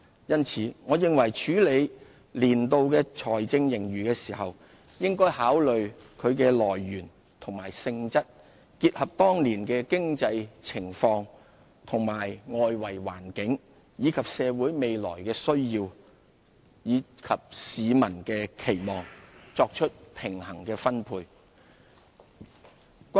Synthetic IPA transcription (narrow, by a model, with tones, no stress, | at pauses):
jɐ˥nt͡sʰiː˨˧ŋɔː˨˧jɪ˨ŋwɐ˨˩jt͡ʃʰyː˨˥le˨˧j | liː˨˩nt̪o˧wkɛː˧t͡ʃʰɔː˨˩jt͡sɪ˧ŋjɪ˨˩ŋɥyː˨˩kɛː˧siː˨˩hɐ˨w | jɪ˥ŋkɔː˥jhaː˨˥wlɵ˨ɥ | kʰɵ˨˧ɥkɛː˧lɔː˨˩jːyː˨˩n | t̪ʰʊ˨˩ŋmaː˨˩jsɪ˧ŋt͡sɐ˥t̚ | kiː˧t̚hɐ˨p̚t̪ɔː˥ŋliː˨˩nkɛː˧kɪ˥ŋt͡sɐ˧jt͡sʰɪ˨˩ŋfɔː˧ŋ | t̪ʰʊ˨˩ŋmaː˨˩jŋɔː˧jwɐ˨˩jwaː˨˩nkɪ˨˥ŋ | jiː˨˧kʰɐ˨p̚sɛː˨˧wuː˨˥jme˨˧jlɔ̰ː˨˩jkɛː˧sɵ˥ɥjiː˧w | jiː˨˧kʰɐ˨p̚siː˨˧mɐ˨˩nkɛː˧kʰe˨˩jmɔː˨ŋt͡sɔː˧k̚t͡ʃʰɵ˥t̚pʰɪ˨˩ŋhɐ˨˩ŋkɛː˧fɐ˥npʰuː˧j | k